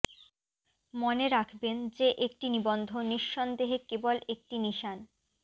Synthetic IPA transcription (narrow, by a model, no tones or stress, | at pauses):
moneɾakʰbend͡ʑeʔek̚ʈinibond̪ʱoniʃːond̪eɦekebolek̚ʈiniʃan